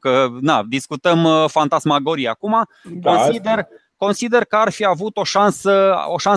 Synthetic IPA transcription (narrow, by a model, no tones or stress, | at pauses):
kənad̪iskut̪əmfant̪asmaɡoɾiakuma | konid̪er | ko̞nsid̪e̞rkəarfiavut̪o̞ʃansə̰oʃan